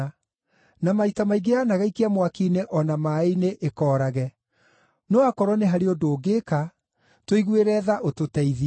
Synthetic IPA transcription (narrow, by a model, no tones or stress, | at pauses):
namaitamaiɡeaːnaɣaikeamwakineʔɔnamaːineʔekɔːɾaɣɛ | noakɔɾɔneɦaɾeodoːɡeka | twoiɣweɾɛːðaʔototɛiði